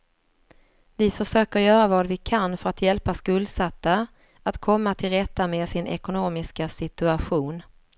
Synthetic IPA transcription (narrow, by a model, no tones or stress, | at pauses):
vɪfœʂøːkəɾjœːɾavɑːd̪vɪkʰanfœɾat̪ʰjɛlpaskɵld̪sat̪ːa | at̪kʰɔmːat̪ʰɪlɾɛt̪ːameːsɪnʔɛ̰kʊnoːmɪskasɪt̪ɵaɧuːn